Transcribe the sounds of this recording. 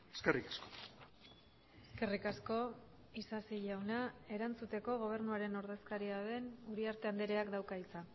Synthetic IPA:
e̥skerikasko̥ | eske̞rikasko̞ | isasiʎawnae̞ɾant͡sut̪e̞ko̞ɣ̞o̞β̞e̞ɾnuaɾe̞no̞ɾðe̞skaɾiaðe̞nuɾiaɾt̪e̞and̪e̞ɾe̞akd̪awkait͡sa

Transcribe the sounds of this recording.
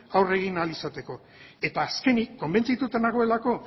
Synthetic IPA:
awre̞ɣ̞inalisat̪e̞ko̞ | e̞t̪aːske̞nikːo̞mbe̞nt͡sit̪ut̪e̞naɣo̞e̞lako̞

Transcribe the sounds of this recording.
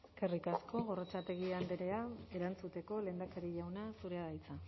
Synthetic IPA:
kerikasko̞ɣo̞rot͡ʃat̪e̞ɣiand̪eɾe̞ae̞ɾant͡sut̪e̞ko̞le̞ːnd̪akaɾiʎawnasuɾe̞aðajt͡sa

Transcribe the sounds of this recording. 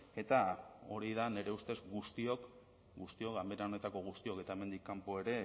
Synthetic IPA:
e̞t̪ao̞ɾiðane̞ɾe̞ust̪e̞zɡust̪io̞k | ɡust̪io̞kambeɾao̞ne̞t̪ako̞ɣ̞ust̪io̞ke̞t̪aeme̞nd̪ikːampoe̞ɾe̞

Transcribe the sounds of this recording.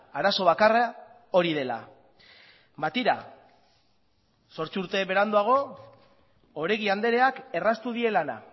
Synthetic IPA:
aɾaso̞β̞akara | o̞ɾið̞e̞la̰ | bat̪iɾa̰ | so̞ɾt͡suɾt̪e̞βe̞ɾand̪uaɣ̞o̞ | oɾeɣiand̪e̞ɾe̞ake̞rast̪uð̞ie̞lana̰

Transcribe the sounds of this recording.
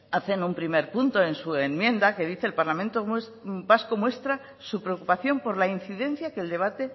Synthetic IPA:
aθe̞numpɾime̞ɾpunt̪o̞e̞nsue̞nmjẽ̞nd̪ake̞ðiθe̞ːlpaɾlamẽnt̪os | pasko̞mwe̞st̪ɾa | supɾeokupaθjo̞mpo̞ɾlain̟θiðẽ̞n̟θjake̞ld̪e̞β̞at̪e̞

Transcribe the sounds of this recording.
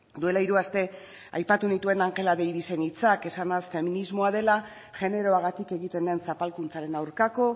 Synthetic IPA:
d̪ue̞laiɾuast̪e̞ | a̰jpat̪unit̪ue̞naŋke̞laðejðise̞nit͡sake̞sanasfe̞minizmo̞að̞e̞la | ʝe̞ne̞ɾo̞aɣat̪ike̞ɣit̪e̞nd̪e̞nsapalkunt͡saɾe̞nawɾkako̞

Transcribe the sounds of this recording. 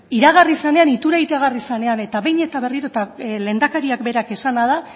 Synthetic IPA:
iɾaɣ̞arisane̞anit̪uɾajt̪eaɣ̞arisane̞ane̞t̪aβe̞jɲe̞t̪aβe̞riɾot̪ale̞nd̪akaɾiakbe̞ɾake̞sanað̞a

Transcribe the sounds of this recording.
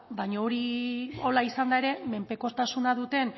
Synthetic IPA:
bajɲaoɾio̞laisand̪ae̞ɾe̞me̞mpe̞ko̞st̪asunaðut̪e̞n

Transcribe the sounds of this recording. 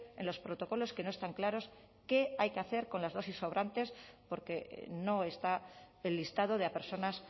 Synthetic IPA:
enlo̞spɾo̞t̪o̞ko̞lo̞ske̞no̞est̪aŋklaɾo̞s | ke̞ajkeaθe̞ɾko̞nlazðo̞siso̞βɾʔant̪e̞spo̞ɾke̞no̞e̞st̪aelːist̪að̞o̞ðeape̞ɾso̞nas

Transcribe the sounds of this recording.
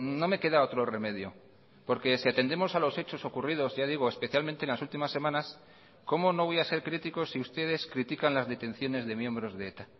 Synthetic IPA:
no̞me̞ke̞ðao̞t̪ɾo̞re̞me̞ðjo | po̞ɾke̞siat̪e̞nd̪e̞mo̞salo̞se̞t͡ʃo̞so̞kurið̞o̞zʝað̞iɣ̞oespeθjalmẽnt̪enlasult̪imasːe̞mãnas | ko̞mo̞no̞βo̞jase̞ɾkɾit̪iko̞sːiust̪e̞ð̞e̞skɾit̪ikanlazðe̞t̪ẽ̞n̟θjo̞ne̞zðe̞mje̞mbɾo̞zðeet̪a

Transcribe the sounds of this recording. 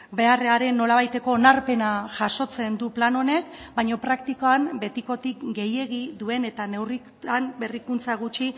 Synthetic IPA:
be̞areaɾe̞nːo̞laβ̞ajt̪e̞ko̞ːnaɾpe̞naʝaʃo̞t͡se̞nd̪uplano̞ne̞kbajɲo̞pɾakt̪ikoambe̞t̪iko̞t̪ikɡe̞je̞ɣiðue̞ne̞t̪ane̞wri | ambe̞rikunt͡saɣ̞ut͡ʃi

